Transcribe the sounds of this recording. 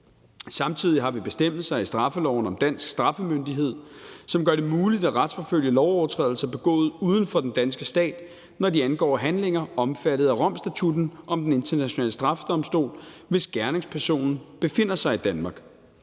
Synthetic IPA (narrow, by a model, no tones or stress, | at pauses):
sɑ̈mt͡sʰið̞̰ˠiɦɑ̈ʋib̥e̝sd̥em̰ð̩ˠsɑ̈isd̥ʁɑ̈fəlɒʊn̩ɒ̽md̥æn̰sɡ̥sd̥ʁɑ̈fəmønd̥iɦe̝ð̰ˠsɒ̽mɡ̥ɶɐɾe̝muːlid̥æʁad̥sfɒ̽føl̰jəlɒʊɒʊɐt͡sʰʁɛ̰ðˠl̩sɐb̥e̝ɡ̥ɔ̰̽ːð̞̩ˠuːð̞ˠn̩fɒ̽d̥end̥ænsɡ̥əsd̥ɛ̰ːd̥ | nɒdiænɡ̥ɒ̰ːɦænle̝ŋɐɒ̽mfæɾ̥ð̞̩ˠæʁɒ̽m̰sd̥æt͡sʰud̥n̩ʔɒ̽md̥ene̝nt͡sʰɐnæɕonɛ̰ːləsd̥ʁɑ̈fə̥d̥ɒ̽msd̥o̝̰ːlʋe̝sɡ̥æɐne̝ŋspʰæɐso̝̰ːnn̩b̥e̝fe̝n̰ɐsɑ̈ɪid̥ænmɑ̈ːɡ̥